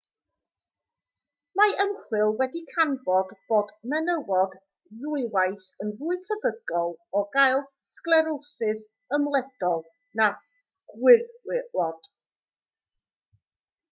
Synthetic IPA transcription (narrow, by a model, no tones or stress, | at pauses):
maəmχwɪlˠwɛdikʰanbɔdb̥oːdmɛnəwɔd | rʊɨwajθənðuɨtʰəbəɡɔlˠɔɡajlˠ | sklˠɛɾowsɨð | əmlˠɛd̥ɔlˠ | na | ɡ̥wɪɔd̥